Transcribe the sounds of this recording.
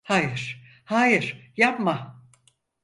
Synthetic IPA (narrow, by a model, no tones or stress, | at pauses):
haːjɪɾ̥ | haːjɪɾ̥japma